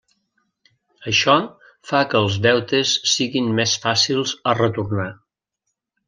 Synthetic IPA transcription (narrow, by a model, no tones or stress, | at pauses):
əʃɔ | fakəːlˠzðɛwt̪əsːiɣinmɛsfasilˠzərət̪urna